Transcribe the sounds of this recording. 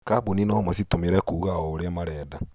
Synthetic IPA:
kaboninɔmasitomeɾɛkuːɣaɔoɾeamaɾɛːda

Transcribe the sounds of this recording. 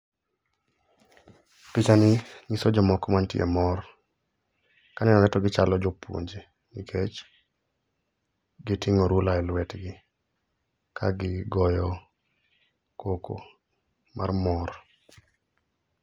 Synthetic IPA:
pit͡ʃanɪɲisɔd͡ʒɔmɔkɔmantɪɛ̰mɔɾ | kanɛnɔŋɛtɔɡɪt͡ʃalɔd͡ʒɔpwo̰ɲd͡ʒe | nikʰet͡ʃ | ɡɪtɪŋɔɾulaɛlwɛtɡɪ | kʰa̰ɡɪɡɔjɔ | koko̰ | mʔa̰rmɔɾ

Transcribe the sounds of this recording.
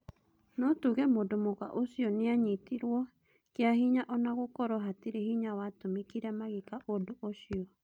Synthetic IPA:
nɔtuɣɛmodomoɣaʔosiɔneaɲitiɾwɔ | keahiɲaʔɔnaɣokɔɾɔɦatiɾehiɲawatomikiɾɛmaɣikaʔodoʔoɕiɔ

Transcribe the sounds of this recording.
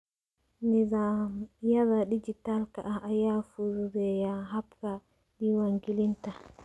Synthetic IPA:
nizajazaɗid͡ʒitalkaʔaajafudɛjaɦabka | ɗiwaŋɡilinta

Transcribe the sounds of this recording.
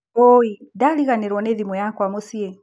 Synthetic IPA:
wɔidaliɣanɛɾɔnɛðimwɛjakwamusiɛ

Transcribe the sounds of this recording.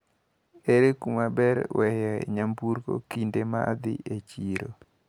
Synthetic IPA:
eɾekumabɛɾwɛjɛḛɲambuɾko̰kindemaa̰d̪ɪ̰ʔet͡ʃiɾo

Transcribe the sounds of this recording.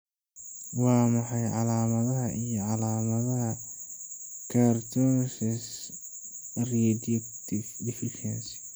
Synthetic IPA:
wɑːmɑħɑjʕɑlaːmɐðɐɦɐʔijɔʕɑlaːmɐðɐɦɐ | kʰart̪ʰɔsɛs | rɛd | d̪ɪfɪʃɛns

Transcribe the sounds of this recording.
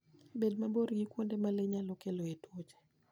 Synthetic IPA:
bedmaboɾɡikwondemaleɲalɔkeloetwot͡ʃe̥

